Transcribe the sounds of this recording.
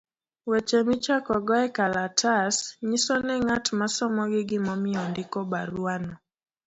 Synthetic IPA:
wɛt͡ʃɛmit͡ʃakɔɡɔɛkalatʰasɲisɔnɛŋatmasɔmɔɡɪɡɪmɔmɪɔndɪkɔbaɾuanɔ

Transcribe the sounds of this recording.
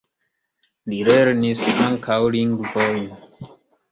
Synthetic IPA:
liɾeɾnisaŋkʰawliŋɡvɔjn

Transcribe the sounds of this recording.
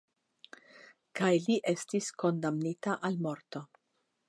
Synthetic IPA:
kajliʔe̞stisko̞ndamnitaʔalmo̞ɾto̞

